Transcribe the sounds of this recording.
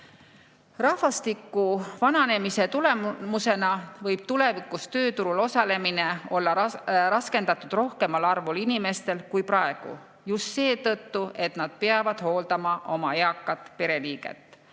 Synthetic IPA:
rɑhvɑst̪ikːˑuvɑnɑne̞mise̞t̪ule̞mmuse̞nɑvɤjb̥̚t̪ule̞vikːˑust̪ø̞ːt̪uɾulo̞sɑle̞mine̞o̞lːɑɾɑske̞nd̪̥ɑt̪ːˑud̪̥ro̞hke̞mɑlɑrvulinime̞st̪e̞lkujprɑe̞ɡ̥ṵ | just̪se̞ːt̪ɤt̪ːuʔe̞t̪nɑd̪̥̚peɑvɑd̪̥ho̞ːld̪ɑmɑʔo̞mɑeɑkːɑt̪ːpe̞ɾe̞liːɡ̥e̞̰t̪ːˑ

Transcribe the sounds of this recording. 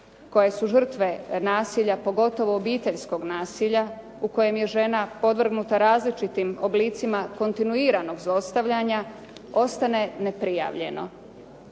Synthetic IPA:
ko̞je̞suʒr̩t̪ʋe̞naːsiːʎapo̞ɡo̞t̪o̞ʋo̞ːbiːt̪eʎsko̞ɡnaːsiʎa | uko̞je̞mje̞ʒe̞napo̞d̪ʋr̩ɡnut̪aɾaːzlit͡ʃit̪imo̞bliːt̪simako̞nt̪inuiːɾano̞ɡzlˠo̞st̪aʋʎaɲa | o̞st̪ane̞ne̞pɾija̰ːʋʎe̞̰no̞̰

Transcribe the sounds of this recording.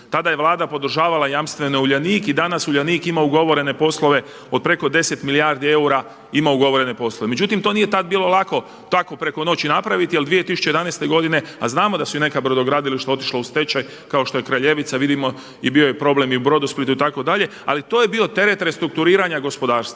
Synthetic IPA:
t̪ad̪ajeʋlˠaːd̪apo̞d̪r̩ʒaːʋalajamst̪ʋe̞nouʎaniːkid̪anasuʎaniːkimauɡo̞ʋo̞ɾe̞ne̞po̞slˠo̞ʋe̞ | o̞d̪̚pɾe̞ko̞d̪e̞set̪milijaːɾd̪ie̞uɾa | imauɡo̞ʋo̞ɾe̞ne̞po̞sloeme̞d͡ʑut̪imt̪onije̞t̪ad̪̚biːlo̞lˠako̞ | t̪ako̞pɾe̞ko̞no̞t͡ɕinapɾaʋit̪ialˠd̪ʋije̞t̪isu̥t͡ɕejed̪anejst̪e̞ɡo̞d̪ine̞aznaːmo̞d̪asuine̞kabɾod̪o̞ɡɾaːd̪iliʃt̪o̞t̪i̥ʃlaust̪e̞t͡ʃaj | kao̞ʃt̪o̞je̞kɾaʎe̞ʋit̪saʋid̪imo̞ | ibio̞jepɾo̞ble̞miubɾo̞d̪usplit̪uit̪ako̞d̪aʎe̞ | a̰lit̪oːje̞bio̞t̪e̞ɾe̞t̪ɾest̪ɾukt̪uɾiːɾaɲaɡo̞spo̞d̪aːɾst̪ʋa

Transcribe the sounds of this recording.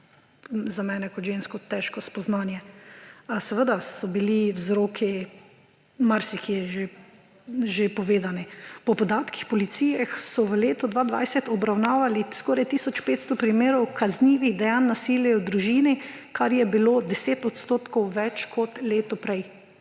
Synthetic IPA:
zamɛːnɛkɔt̪ʒenskɔt̪ɛʃkɔspɔznaːnjɛ | sɛʋəd̪asɔbiliwzɾoːkʰi | maɾsikiɛʒe | ʒepɔʋeːd̪anipɔpɔd̪aːt̪ki̥xpɔlit̪siːjaxsɔʋəleːt̪ɔd̪ʋaːd̪ʋa̰jsɛt̪ɔbɾawnaːʋaliskɔɾajt̪isɔt͡ʃpeːt̪st̪ɔpɾimeːɾɔwkazniːʋiɣd̪ɛjanːasiːljɛwd̪ɾuʒiːni | kʰaɾjɛbiloːd̪ɛseːt̪ɔt̪st̪oːt̪kɔwʋɛt͡ʃkʰɔt̪leːt̪ɔpɾɛj

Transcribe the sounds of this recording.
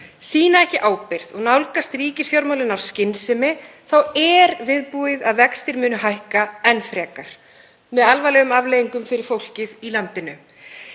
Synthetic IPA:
siːnaɛhcɪʔaːwpɪɾ̥ðɔɣnawlkast̪riːcɪsfjawɾmawlɪnawscɪnsɪmɪ | θawɛɾvɪðpuɪðaðvɛkst̪ɪɾmʏːnʏɦajhkaɛnfɾɛːkaɾ̥ | mɛðalvajlɛːɣʏmavlɛːjiŋkʏmfɪɾɪɾ̥fowl̥cɪðilant̪ɪnʏ

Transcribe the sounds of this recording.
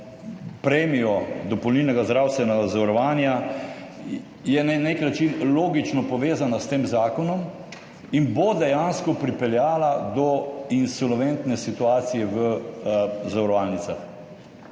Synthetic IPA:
pɾɛːmijɔd̪ɔpɔwnilnɛɡazd̪ɾaːwsst̪ʋɛnazɔɾɔʋaːnja | jɛneneknat͡ʃinloːɡit͡ʃnɔpɔʋeːzanast̪eːmzaːkɔnɔm | inbod̪ɛjanskɔpɾipɛljaːlad̪ɔinsɔlʋɛnt̪nɛsit̪uaːt̪sijɛʋə | zaʋɾɔʋalnit̪sax

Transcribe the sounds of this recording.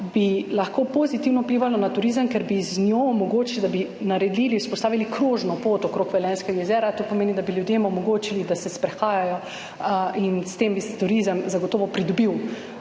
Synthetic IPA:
bilaxkoːpozit̪iwnɔwpliːʋalɔnat̪uɾizəmkɛɾbiznʲjoːmɔɡoːt͡ʃilid̪abinaɾɛd̪liːliuspɔst̪aːʋilikɾoʒnɔpoːt̪ɔkɾoːkʋɛlɛːnskɛɡajɛzɛːɾat̪oːpɔmeːnid̪abiljud̪jeːmɔmɔɡoːt͡ʃilid̪asɛspɾɛxaːjajɔ | ʔinst̪eːmbisɛt̪uɾizəmzaɡot̪oːʋɔpɾid̪ɔbiw

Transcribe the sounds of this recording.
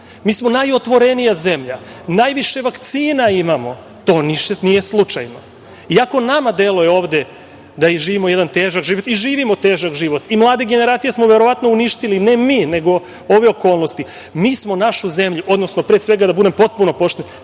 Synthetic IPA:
miːsmo̞najo̞t̪ʋo̞ɾe̞nijaze̞mʎa | najʋiʃe̞ʋakt̪siːnaimamo̞ | t̪o̞ːniʃnije̞slˠut͡ʃajno | iako̞namad̪elˠojeo̞ːʋd̪e̞ | d̪aiʒiːʋimo̞je̞d̪ant̪e̞ːʒakʒiʋo̞t̪iʒiːʋimo̞t̪e̞ːʒakʒiʋo̞t̪imlˠaːd̪eɡe̞ne̞ɾaːt̪sijesmo̞ʋe̞ɾo̞ʋat̪no̞uniʃt̪iline̞miːne̞ɡo̞ | oʋeo̞ko̞ːlˠnost̪i | miːsmonaʃuze̞mʎuʔo̞d̪no̞sno̞pɾesʋe̞ɡad̪abud̪e̞mpo̞t̪̚puno̞po̞ʃt̪en

